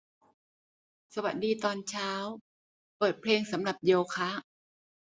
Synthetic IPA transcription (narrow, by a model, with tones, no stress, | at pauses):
sa˧wa˨˩t̪̚diː˧t̪ɔː˧nt͡ɕʰaː˦˥w | pɤː˨˩t̪̚pʰleː˧ŋsa˩˦mɾa˨˩p̚jeː˧wkʰa˦˥